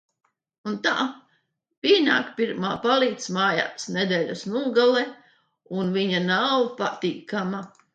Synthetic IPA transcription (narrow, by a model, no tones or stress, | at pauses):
unt̪a̰ː | piːna̰ːkpiɾmaːpaliːt̪smaːja̰ːsned̪ɛːʎʲasnuɔɡalˠɛ | unviɲanawpat̪iːkama